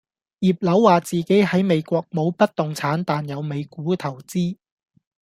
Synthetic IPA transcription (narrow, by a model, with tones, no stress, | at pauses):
jiː˨p̚lɐ˨˥wːaː˨t͡siː˨ke˨˥jhɐ˨˥jme˨˧jkʷɔː˧k̚mo˨˧wpɐ˥t̚t̪ʊ˨ŋt͡sʰaː˨˥nt̪aː˨njɐ˨˧wme˨˧jkuː˨˥t̪ʰɐ˨˩wt͡siː˥